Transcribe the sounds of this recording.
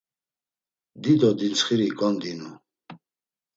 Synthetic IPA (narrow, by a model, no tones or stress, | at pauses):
d̪id̪ɔd̪int͡sχiɾikʼɔnd̪inu